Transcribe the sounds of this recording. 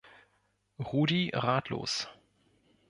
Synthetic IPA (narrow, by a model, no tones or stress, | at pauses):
ʁuːdiʁaːtʰlo̰ːs